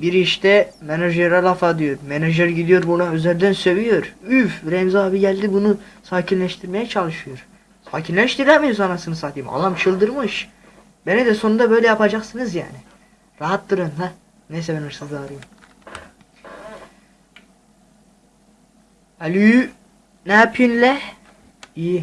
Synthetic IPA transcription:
biɾiʃt̪ʰɛmeneʒɛɾalafad̪ijoɾmeneʒeɾɟid̪ijo̞ɾbunayzɛɾd̪ænsø̞vijoɾyvɾɛmzabiɟælʲd̪ibunusaːcʰinlʲɛʃt̪ʰiɾmejɛt͡ʃʰalˠɯʃɯjo̞ɾ̥ | saːcʰinlʲɛʃt̪ʰiɾɛɾmijosanasɯnɯsat̪ima̰lˠamt͡ʃʰɯlˠd̪ɯɾmɯʃ | benid̪ɛso̞nund̪abø̞jlʲɛjapad͡ʒaksɯnɯzja̰ːnɪ | ɾaɦat̪ːɯɾɯnla | nɛsɛmenɛɾsɯzaːɾɯjom | alʲy | næpʰinlʲɛ | i

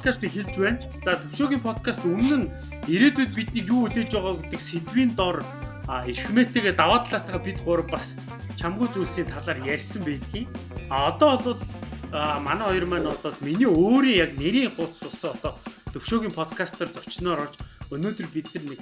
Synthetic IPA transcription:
t̪̚kʰast̪ixɘ̆ɮt͡ɕpæːn | t͡sat̪ʰɵwʃoːɣʲiːmpʰɔt̪̚kʰast̪ɵmnɘ̆n | eɾeːt̪uːt̪̚pit̪̚niːkjuːuɮeːt͡ɕpæːʁaːɡet̪ɘ̆kset̪wiːnt̪ɔr | erxmeːt̪eːɣeːt̪awaːt̪ɮaːt̪aʁaːpit̪ɢʊːɾə̆pas | t͡ɕʰamʁʊjt͡suːsiːnt̪ʰaɮaːrjærʲsə̆mpæːt̪̆ɣʲiːŋaɔt̪ɔːɮʊ̆ːɮ | manæːχɔjɞ̆rmæːnɔɮɔːɮminiːoːɾiːŋjakneɾiːŋχʊːt͡s̪ʊsə̆ŋɔt̪ɔːt̪ʰɵw̥ʃoːɣʲiːmpʰɔt̪kʰast̪ə̆ːrt͡sɔt͡ɕnɔːɾʊːt͡ɕɵnoːt̪ɵ̆rpit̪nɘ̆rnek

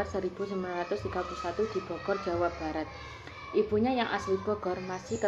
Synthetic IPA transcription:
arsəɾib̥ṳsimlaɾat̪ʊst̪ikapulusat̪ud̪̥i̤b̥ɔ̤ɡ̥ɔrd̥d͡ʒ̥a̤wab̥a̤ɾat̪̚ | ʔibuɲajaŋʔa̰slib̥ɔ̤ɡ̥ɔrmasɪhkə

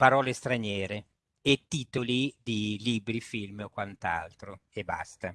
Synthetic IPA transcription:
paɾɔːlest̪ɾanjɛːɾe | et̪ːiːt̪olid̪iliːbɾifilmokːwant̪a̰lt̪ɾoeba̰st̪a

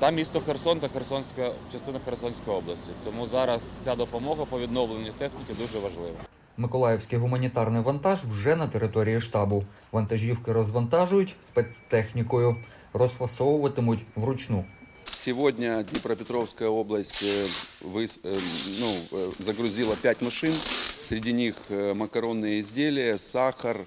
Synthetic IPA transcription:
t̪ɑmʲːist̪ɔxersɔnt̪ɐxersɔnʲsʲkɐt͡ʃɐst̪ɪnɐxersɔnʲsʲkɔjɔblˠɐsʲtʲit̪ɔmuzɑɾɐst͡sʲad̪ɔpɔmɔɦɐpɔʋʲid̪nɔʋlˠenʲːit̪ɛxnʲɪkʲɪd̪uʒɛʋɐʒlˠɪʋɐ | mɪkɔlˠɑjewsʲkɪjɦʊmɐnʲit̪ɑrnɪjʋɐnt̪ɑʒwʒɛnɐt̪eɾɪt̪ɔɾʲijiʃt̪ɑbʊ | ʋɐnt̪ɐʒʲiwkɪɾɔzʋɐnt̪ɑʒʊjʊtʲspɛt̪st̪ɛxnʲikɔjʊ | rɔsfɐsɔwʊʋɐt̪ɪmʊtʲʋrʊt͡ʃnu | sʲɪʋodʲnʲɐd̪ʲnʲɪpɾəpʲɪt̪ɾofskəjəoblˠɐsʲtʲʋɨ | nuzɐɡɾʊzʲilˠəpʲætʲmɐʂɪnsʲɾʲɪdʲinʲixmɐkɐɾonːɨjəɪzʲdʲelʲɪjəsaxɐr

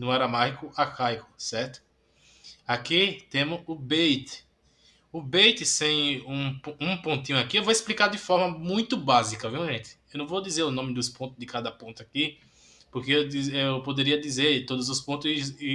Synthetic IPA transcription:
nɐ̃ɛɾɐmaɦikʊʔaɾkajkʊ̥sɛɾt̪ʊ̥ | akit̪ẽmʊʊbejt̪ɪ̥ | ʊbejt̪ɪsẽj̃ũpũpõnt̪ĩɲʊ̃akiewvowisplikaɾd̪ɪfɔɾmɐmũj̃t̪ʊbazikɐviwʒẽt̪ɪ̥ewnɐ̃w̃vod̪izeɾʊnõmɪd̪ʊspõnt̪ʊzd̪ɪkad̪ɐpõt̪ʊaki | poɾkeewd̪izeewpod̪eɾiɐd̪izeɾt̪od̪ʊzʊspõt̪ʊz

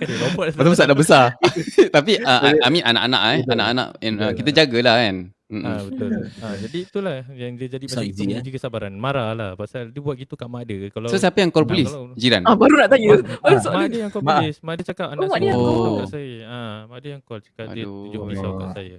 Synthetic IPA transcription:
kadikabuat̪̚asabəsaʔdabəsat̪apiaʔamĩʔana̰ʔanã̰ʔaana̰ʔana̰ʔanəkit̪ad͡ʒaɡalahkan | m̩ʔ̩bət̪ʊlad͡ʒadit̪ulahjaŋdiad͡ʒadipaait̪ind͡ʒikəsabaɾanmaɾalapaʔsaldibuat̪̚ɡit̪ukaʔ̚madəkalasos̬iapəjaŋkɔrpolisd͡ʒiɾanabaɾunaʔt̪aɲəbaɾusoʔmadəjaŋkɔɾplismadət͡ʃakap̚anamaiaasajəəmadəjaŋkɔlt͡ʃḁkaa̰duud͡ʒubisaka̰saja

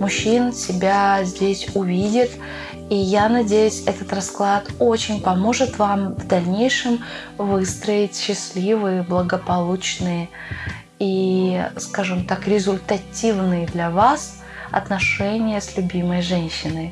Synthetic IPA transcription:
mʊɕːinsʲɪbʲazʲdʲesʲʊvʲidʲɪt̪ | ijanɐdʲejʊsʲɛt̪ət̪rɐsklˠat̪o̞t͡ɕɪnʲpɐmo̞ʐɨt̪vamvd̪ɐlʲnʲejʂɨm | vɨst̪ɾəɪtʲɕːɪsʲlʲivɨjəblˠəɡəpɐlˠut͡ɕnɨjə | iskaʐɨmt̪akɾʲɪzʊlʲt̪ɐtʲivnɨjəd̪lʲɐvas | ɐ̰t̪nɐʂɛnʲɪjəsʲlʲʊbʲiməjʐɛnʲɕːɪnəj

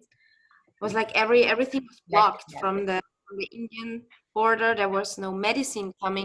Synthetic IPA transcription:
wʌzlaɪkɛvɹiɛvɹiθɪ̃ŋwʌzblɑktfɹʌ̃mðɨfɹʌ̃mðiʔɪ̃ndiɨ̃n | b̥ɔɹɾə˞ðə˞wʌznoʊmɛɾɨsĩnkʰʌmɪ̃

